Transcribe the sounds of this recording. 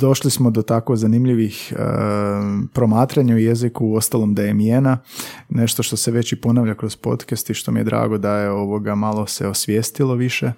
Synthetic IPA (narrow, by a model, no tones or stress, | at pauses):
d̪o̞ʃlismo̞d̪ot̪akozanimʎiʋix | pɾo̞maːt̪ɾaɲaujezikuːo̞st̪alˠo̞md̪ajemjenane̞ʃt̪o̞ʃt̪o̞seʋe̞t͡ɕipo̞naʋʎakɾo̞zpo̞̰t̪kest̪iʃt̪o̞mijed̪ɾa̰ːɡo̞d̪ajeo̞ʋo̞ɡamalˠo̞seo̞sʋjeːst̪ilˠo̞ʋiʃe